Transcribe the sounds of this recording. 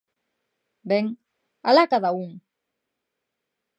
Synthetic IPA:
beŋ | alakaðauŋ

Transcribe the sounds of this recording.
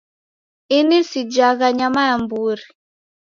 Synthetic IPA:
inisid͡ʒaɣaɲamajambuɾi

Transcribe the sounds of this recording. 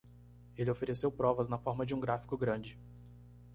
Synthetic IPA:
elɪofeɾesewpɾɔvɐznɐfɔɾmɐd͡ʒɪũɡɾafi̥kʊɡɾɐ̃d͡ʒɪ

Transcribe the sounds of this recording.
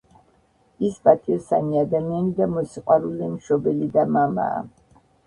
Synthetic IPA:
isbat̪ʰiɛsa̰niad̪amianid̪amɔsiqʼwaɾulimʃɔbɛlid̪amama̰ː

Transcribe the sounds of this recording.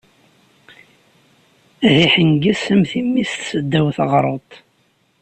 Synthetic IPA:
æhiħəŋɡæsæmθimːist̪səd̪ːæwθʁɾˤot̪ˤ

